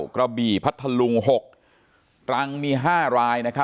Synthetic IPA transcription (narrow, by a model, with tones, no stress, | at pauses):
kɾa˧biː˨˩pʰa˦˥t̪ʰːa˧lu˧ŋɦo˨˩k̚ | kʰɾa˧˥ŋmiː˧ɦaː˥˩ɾaː˧jna˦˥kʰa˦˥